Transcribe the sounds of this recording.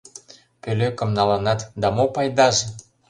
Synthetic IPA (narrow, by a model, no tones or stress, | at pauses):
pøløkə̆mnɑlɤnɑt̪d̪ɑmopɑjd̪ɑʒĕ